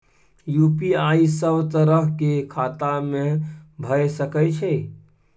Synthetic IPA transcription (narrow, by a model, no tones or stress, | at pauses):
juːpiaːisəbt̪əɾəɦkekʰaːt̪amẽbʱəjsəkəjt͡ʃʰɛ